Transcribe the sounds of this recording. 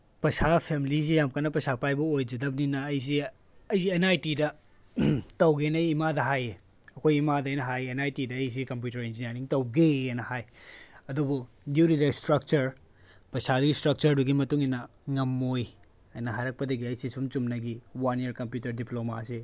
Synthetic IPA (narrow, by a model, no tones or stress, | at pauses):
pɐsapʰemiliz̬ijamkanɐpɐsapajbɐojd͡ʒidɐp̚ninɐːjs̬i | ɐjzienajtidɐ | tɐwɡenɐjimadɐɦaje | ɐkʰojimadɐɐjnɐɦajenajtidɐːjs̬ikɐmp̬jutɐɾind͡ʒineɾniŋtɐwɡeajnɐhajɐdubu | djuɾidestɾɐk̚t͡ʃɐɾ | pɐsʰaduɡistɾɐk̚t͡ʃɐɾduɡimɐtuŋinɐ | ŋɐmːoj | ɐjnɐɦajɾɐk̚pɐdɐɡiɐjsisumt͡ʃumnɐɡiwaniɐɾkɐmpjutɐɾdiploma̰se